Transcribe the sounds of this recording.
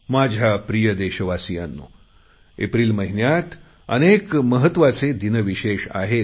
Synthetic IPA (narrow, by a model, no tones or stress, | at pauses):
mad͡ʑʱjapɾijəd̪eɕəʋasijanːṵː | ḛpɾiːlməɦinjat̪ | ə̰nekməɦət̪ʋat͡sed̪inəʋiɕeʂa̰ɦe